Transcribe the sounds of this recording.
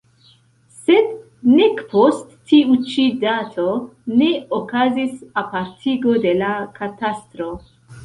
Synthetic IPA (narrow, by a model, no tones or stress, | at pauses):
se̞d | nekpʰostː | iut͡ʃidatʰo̞ne̞okazisapaɾtʰiɡo̞de̞lakatastɾo̞